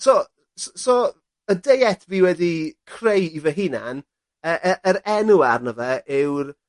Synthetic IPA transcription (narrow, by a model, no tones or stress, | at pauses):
sɔ | ssɔ | ədejɛtʰbiwɛdikʰrejivəɦɪna̰n | əːʔəʔəɾɛnuarnəvɛʔɪwr